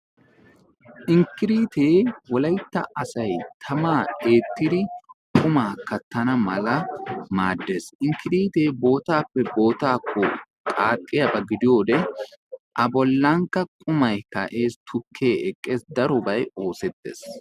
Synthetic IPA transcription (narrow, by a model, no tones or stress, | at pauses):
ʔɪŋkːɪɾiːt̪eːwɔlɐjt̪ːɐ̰ʔɐsɐjt̪ʰɐmaːe̞ːt̪ːɪd̪ɪkʼʊmaːkɐt̪ːɐnɐmɐlɐmaːd̪ːeːsɪŋkɪɾiːt̪e̞ːbo̞ːt̪aːpːɛbo̞ːt̪aːkʰːɔtkʼaːkʼːɪjɐbɐɡɪd̪ɪjo̞ːd̪ɛ | ʔɐbɔlːɐŋkːɐkʼʊmɐjkɐ̰ʔe̞ːst̪ʰʊkʰːe̞ːʔɛkʼːeːsd̪ɐɾɔbɐjo̞ːsɛt̪ːḛːs